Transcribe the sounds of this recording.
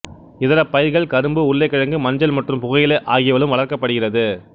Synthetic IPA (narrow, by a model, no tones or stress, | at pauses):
ɪðɐɾɐpːɐjɪɾɣɐɭkɐɾɯmbɯʊɭːɐɪkːɐɻɐŋɡɯmɐɲd͡ʒɐlmɐʈrɯmpʊɣɐjɪlɐʔaːɣɪjɐʋɐɭɯmʋɐɭɐɾkɐpːɐɽɯɣɪrɐðɯ